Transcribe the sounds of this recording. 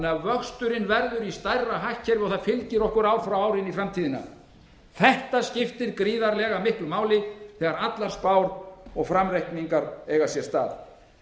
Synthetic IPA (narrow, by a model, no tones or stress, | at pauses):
nɛavœxst̪ʏɾɪnvɛɾðʏɾist̪ajraɦahcʰːɛɾvɪɔɣθaðfɪlcɪɾɔhkʏɾaːwfɾawaːwɾɪnifɾamt̪ʰiːðɪna̰ | θɛht̪ascɪft̪ɪɾkɾiːðaɾlɛːɣamɪhklʏmaːwlɪθɛːɣaɾat̪laɾ̥spaːwɾɔɣfɾamrɛjhkniŋkaɾɛɣasjɛst̪a̰ːð